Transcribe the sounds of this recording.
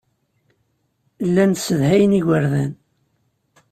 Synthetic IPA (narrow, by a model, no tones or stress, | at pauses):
lːænsəðhæjəniʝʷəɾðæn